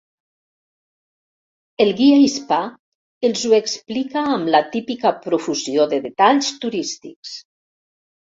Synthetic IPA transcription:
elˠɣiaispa | elˠzueksplikaːmlat̪ipikapɾufuzioðeðet̪aʎst̪uɾist̪iks

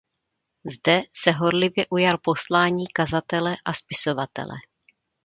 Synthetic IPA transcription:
zdɛsɛɦo̞ɾlɪvjɛʔujalpo̞slaːɲiːkazat̪ɛlɛʔaspɪso̞vat̪ɛ̰lɛ̰

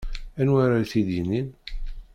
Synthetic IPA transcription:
ænwaɾaθiðinin

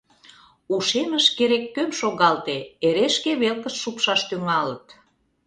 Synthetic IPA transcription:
uʃeməʃkeɾekːømʃoɣɑlt̪eeɾeʃkeβelkəʃʃupʃɑʃt̪yŋɑlət̪

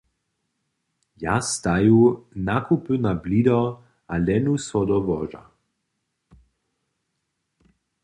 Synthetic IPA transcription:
jast̪ajunakʰupənablid̪ɔ | alɛnusɔd̪ɔvɔʒa̰

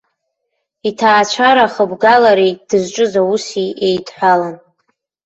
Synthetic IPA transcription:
itʰaːt͡ʃʷʰaɾaχəbɡalaɾejd̥ɨzʈ͡ʂʼɨzausiejtʰʼħʷᶣalan

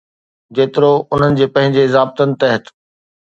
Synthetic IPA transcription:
d͡ʑeːt̪ɪɾoʊn̤ənɪ̆d͡ʑeːpɐ̃ɦɪ̃ɲd͡ʑezaːb̚t̪ənɪ̆t̪ɐɦət̪

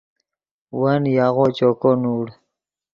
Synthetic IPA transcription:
wanjaɣot͡ʃokonuɽ

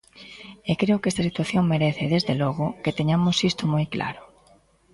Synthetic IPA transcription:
ekɾeokest̪asit̪waθjoŋmeɾeθɪðezðelɔɣʊket̪eɲamʊsist̪ʊmojklʔa̰ɾʊ

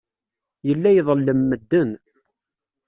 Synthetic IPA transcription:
jəlːæjðˤlːəmːəd̪ːən

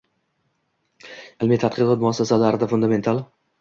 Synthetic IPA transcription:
ɪlmit̪ʰat̪̚qɨqɒt̪̚mʊasːasalaɾɪd̪afʊnd̪ame̞nt̪ʰalˠ

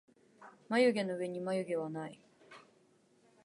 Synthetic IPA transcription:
majɯ̟ɡe̞no̞ɯ̟e̞ɲ̟imajɯɡʲe̞βanai

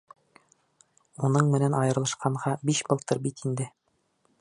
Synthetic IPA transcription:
unɤɴmɘ̆nænʔɒjɤ̆ɾlˠɤ̆ʃqɑɴʁɑbiʃbɤ̆lˠt̪ɤɾbit̪ind̪ɘ

